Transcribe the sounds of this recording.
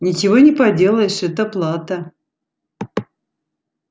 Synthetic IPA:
nʲɪt͡ɕɪvonʲɪpɐdʲelˠəjɪʂɛt̪əplˠat̪ə

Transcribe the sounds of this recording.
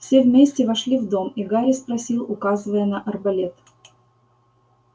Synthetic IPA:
fsʲevʲmʲesʲtʲɪvɐʂlʲivd̪o̞miɡaɾʲɪspɾɐsʲilˠʊkazɨvəjənɐʔɐrbɐlʲet̪

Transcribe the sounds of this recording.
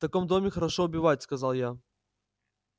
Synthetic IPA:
t̪ɐkɔmd̪omʲɪxɐɾɐʂɔʊbʲɪvatʲskɐzalˠja

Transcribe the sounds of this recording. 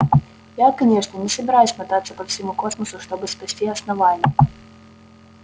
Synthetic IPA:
jakɐnʲɛʂnʲɐnʲɛsɐbʲɪɾajusʲmɐt̪at̪sːɐpɐwfsʲimukɔsmɐsʊʂt̪ɔbɨspasʲtʲiɐsnɐvalʲnʲɛ

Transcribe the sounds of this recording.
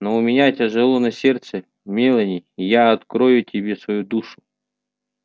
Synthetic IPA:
noʊmʲɪnʲatʲɪʐɨlˠonɐsʲert̪sɨə | mʲelˠənʲɪjjaɐt̪kɾojʊtʲɪbʲe̞svɐjud̪uʂʊ̥

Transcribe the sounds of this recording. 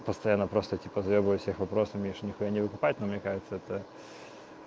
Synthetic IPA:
pəst̪ɐjanːəpɾost̪ətʲipəzɐjʲobvjʊfsʲexvɐpɾosəfmʲiʂnʲɪxujanʲɪvɨkʊpat̪̚ʲnomnʲekaʐɨt̪səɛt̪ə

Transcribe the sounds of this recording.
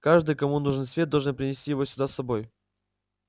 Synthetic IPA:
kaʐd̪ɨjkɐmunuʐɨnsvʲet̪d̪ɐlˠʐɨnpɾʲɪnʲɪsʲtʲijɪvosʲʊd̪asːɐbo̞j

